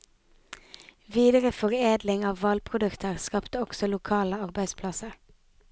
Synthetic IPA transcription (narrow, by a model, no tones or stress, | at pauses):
ʋiːd̪əʁəfɔʁeːd̪lɪŋɑːʋʋɑlpʰʁʊd̪ʉkt̪əʁskɑpt̪əɔksɔlʊkʰɑːləɑʁbæɪspʰlɑsəʁ